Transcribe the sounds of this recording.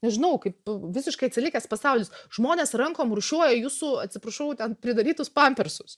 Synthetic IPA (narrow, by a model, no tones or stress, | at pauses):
nʲɛʒʲɪnɐʊkɐɪpʋʲɪsʲɪʃkɐɪɐt̪ʲsʲɪlʲɪkʲɛspɐsɑʊlʲɪsʒmoːnʲeːsrɐŋkoːmrʊʃʲuɔjɛjuːsʊɐt̪ʲsʲɪpɾɐʃɐʊt̪ʲɛnpʲɾʲɪd̪ɐɾʲiːt̪ʊspɑmʲpʲɛɾsʊs